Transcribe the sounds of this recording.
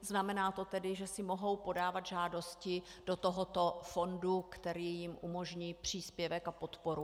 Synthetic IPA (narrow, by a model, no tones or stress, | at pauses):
znamɛnaːt̪o̞t̪ɛdɪʒɛsɪmo̞ɦo̞wpo̞daːvad̪ʒaːdo̞scɪd̥ot̪oɦo̞t̪o̞fo̞ndukt̪ɛɾiːjɪmʔumo̞ʒɲiːpr̝̥iːspjɛvɛkapo̞t̪po̞ɾu